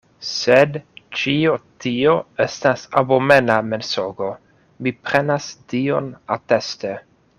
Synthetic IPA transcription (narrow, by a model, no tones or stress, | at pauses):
sedt͡ʃiotioestasabomenamensoɡo | mipɾenastionateste